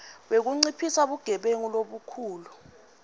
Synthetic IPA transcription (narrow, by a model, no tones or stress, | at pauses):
ɓek̬uŋ͡ǀipʰisaɓuɡ̥ʱɛɓeŋiloɓukʰuːlu